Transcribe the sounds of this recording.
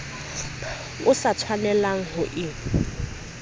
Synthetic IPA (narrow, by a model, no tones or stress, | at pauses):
ʊsat͡sʰwanɛlaŋ̩ɦʊʔɪ